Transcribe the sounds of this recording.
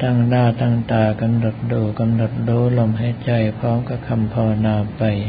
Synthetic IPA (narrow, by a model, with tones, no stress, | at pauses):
t̪ʰaː˧˩ŋnaː˧˩t̪aː˧˩ŋt̪aː˨˩ka˧mno˨˩t̪̚duː˨˩ka˧mno˨˩t̪̚duː˨˧˦lo˧˩mha˨˦t͡ɕa˧jpʰɾɔː˦˥mka˧˩kʰa˧mpʰɔː˧wnaː˧pa˧j